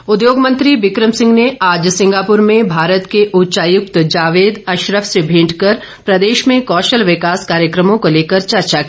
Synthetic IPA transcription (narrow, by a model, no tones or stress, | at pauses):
ʊd̪joːɡmə̃nt̪ɾiʋɪkɾəmsɪ̃ŋɡneaːd͡ʒsɪ̃ŋɡaːpʊɾmẽbʱaːɾət̪keʔʊtːt͡ʃaːjʊkt̪d͡ʒaːʋeːd̪ɐʃɾəʋsebʱĩːʈkɐɾ | pɾɐd̪eːʃmẽkɔːʃəlʋɪkaːskaːɾjəkɾəmõkoleːkəɾt͡ʃɐɾt͡ʃaki